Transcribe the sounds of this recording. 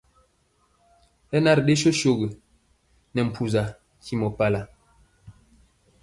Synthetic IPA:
ɛ˦na˦ɾɗe˦ʃo˦ʃo˨ɡə˨ | nɛ˨m̩˨pʰu˨za˨ | kʰi˦mɔ˨pa˦la˨

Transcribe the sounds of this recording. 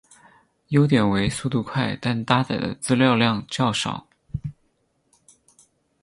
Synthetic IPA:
jo˥ʊt̪̬jɛ˨˩nwe˧˥ɪsu˥˧t̪u˥˧kʰwa˥˩ɪt̪a˥˧nt̪a˥t͡sa˨˩ɪd̪ə̰˦t͡sɹ̩˥ljɑ˥˧ʊljɑ˥˧ŋt͡ɕjɑ˥˩ʊʂɑ̰˨˩˦ʊ

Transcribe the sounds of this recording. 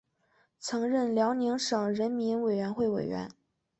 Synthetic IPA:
t͡sʰɤ˧˥ŋɻə˥˩nljɑ˧˥ʊni˧˥ŋʂɤ˨˩ŋɻə˧˥nmi˧˥nwe˨˩ɪɥɛ˧˥nxwe˥˩ɪwḛ˨˩ɪɥɛ̰˧˥n

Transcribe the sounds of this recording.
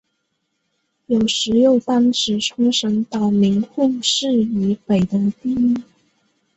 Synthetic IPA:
jo˨˩ʊʂɻ̩˧˥jo˥˩ʊt̪a˥nʈ͡ʂɻ̩˨˩ʈ͡ʂʰʊ˥ŋʂə˧˥ŋt̪ɑ˨˩ʊmi˧˥nxu˥˩˧ʂɻ̩˥˩y˧˥pe˨˩ɪd̪ə˧˦t̪i˥˧i˥˩

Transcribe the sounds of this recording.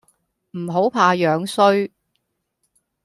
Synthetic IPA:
m̩˨˩ɦo˨˥wpʰaː˧jœː˨˧ŋsɵ˥ɥ

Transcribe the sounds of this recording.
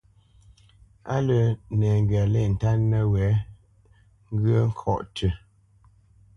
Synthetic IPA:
a̰˦lə˨nɛ˨ŋ˨ɡɥa˨lɛ˦˨n̩˨ta˦nːə˦wɛ˨˦ | ŋ˦ɡə˦ŋ̩˦kʰɔ˦ʔtʰə˨

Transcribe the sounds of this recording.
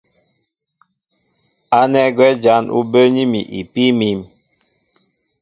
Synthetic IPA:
a˦nɛ˦ɡwɛ˦d͡ʒa˦nʔṵ˦bə˦ɲi˦mḭ˨ʔḭ˨pi˦mi˦m

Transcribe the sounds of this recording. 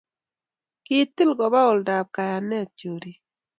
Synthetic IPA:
ki˦t̪ːi˦lɡɔ˨ba˦o˨lda˨b̚ka˨ja˨nɛ˦˨t͡ʃo˨ɾi˨

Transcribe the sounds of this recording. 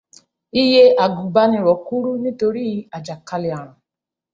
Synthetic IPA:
i˧je˦a˨ɡũ˨ɡ͡ba˧nĩ˧˨ɾɔ˨ku˦ɾu˦nĩ˦to˧ɾi˦a˨d͡ʒa˨ka˧le˨a˨ɾ̃ã˨

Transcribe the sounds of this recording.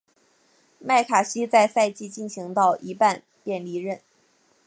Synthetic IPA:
ma˥˩ɪkʰa˨˩ɕi˥t͡sa˥˧ɪsa˥˧ɪt͡ɕi˥˧t͡ɕi˥˩nɕi˧˥ŋt̪ɑ˥˧ʊʔi˧˥pa˥˧n | pjɛ˥˩nli˧˥ɻə˥˩n

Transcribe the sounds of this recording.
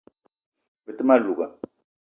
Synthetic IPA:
və˨t̪ma˦lu˨ɡa˨

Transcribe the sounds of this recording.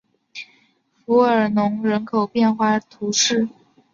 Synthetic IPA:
fu˧˥ə˞˨˩nʊ˧˥ŋɻə˧˥nkʰo˨˩ʊpjɛ˥˧nxwa˥˧t̪ʰu˧˥ʂɻ̩˥˩

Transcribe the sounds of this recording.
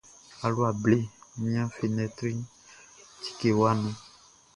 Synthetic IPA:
a˨lu˦a˨ble˦mĩ˦ã˦fi˨nɛ˨t̪ɾi˦ | ti̥˨ke˨wa˦nũ˦

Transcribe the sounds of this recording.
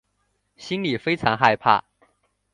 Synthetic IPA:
ɕi˥nli˨˩fe˥ɪʈ͡ʂʰɑ˧˥ŋxa˥˧ɪpʰa̰˥˩

